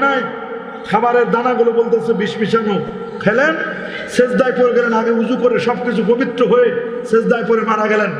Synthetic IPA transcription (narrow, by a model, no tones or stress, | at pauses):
naj | kʰabaɾeɾd̪anaɡulobolt̪easʰebiʃbit͡ɕʰano | kʰɛlen | ʃed͡ʑd̪ajpoɾeɡɛlenaɡeud͡ʑukoɾeʃɔbkit͡ɕʰupobit̪ɾoɦoe | ʃed͡ʑd̪ajpoɾemaɽaɡɛlen